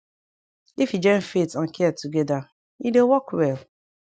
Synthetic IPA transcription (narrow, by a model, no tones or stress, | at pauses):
ifid͡ʒɛ̃nfetãnkʰɛtuɡɛda | idewɔkwɛl